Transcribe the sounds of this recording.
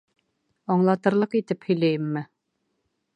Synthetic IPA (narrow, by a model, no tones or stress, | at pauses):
ɒɴlˠɑt̪ɤ̆ɾlˠɤqit̪ɘphɵ̆jlæjɘmːɘ